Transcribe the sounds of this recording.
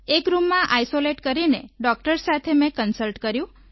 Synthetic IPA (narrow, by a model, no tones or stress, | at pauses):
ekɾumːãʔajsoleʈkəɾineɖɔk̚ʈəɾsat̪ʰemẽkənsəlʈkəɾjũ